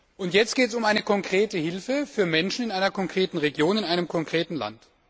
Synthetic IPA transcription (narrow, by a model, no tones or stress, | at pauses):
ʔʊntjɛt͡stɡ̥eːtsʊmʔaɪnəkʰɔŋkʁ̥eːtəhɪlfəfyːɐmɛnʃn̩ɪnʔaɪnɐkʰɔŋkʁ̥eːtn̩ʁeɡjoːnɪnaɪnəmkʰɔŋkʁ̥eːtn̩la̰nt